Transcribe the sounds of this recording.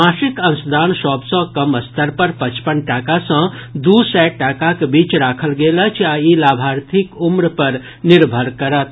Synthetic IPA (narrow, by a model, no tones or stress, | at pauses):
ãsikənsd̪ʱaːnsɔːbsə̃kəməst̪ʰəɾpəɾpət͡ʃpənʈaːkasə̃d̪usɛʈːaːkakebiːt͡ʃɾaːkʰəlɡeːlət͡ʃʰjailaːbʱaːɾt̪ʰikumɾpəɾ | nɪɾbʱəɾkəɾət̪̚